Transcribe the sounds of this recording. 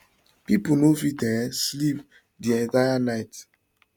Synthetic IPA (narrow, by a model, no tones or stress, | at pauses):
pipunofitɛslip | diɛ̃ntajanaɪt